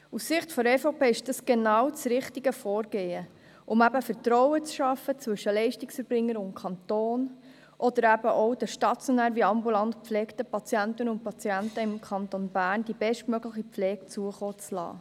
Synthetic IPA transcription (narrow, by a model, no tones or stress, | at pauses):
ussɪχtfɔɾɛfopeːɪʃd̥ɑsɡ̥enɑwt͡sɾɪχtiɡəfɔːɾɡeːə | ʔʊmæbəfəɾtɾɔwət͡sʃɑfət͡svʏʃəlɛɪʃtɪksfəɾb̥ɾɪŋːəɾʊnkʰɑnt̪oːn | ʔɔd̥̪əɾæbəʔɔʊd̥əʃtɑt͡sjɔnæːɾʋiɑmbulɑnt̪pp͡flɛːkt̪əpɑt͡sjænt̪ənʊnt̚pɑt͡siæntəɪmkʰχɑnt̪onbæːɾnd̥ibɛʃtmøɡləχipflɛːkt͡suəχoːt͡slɑ̰ː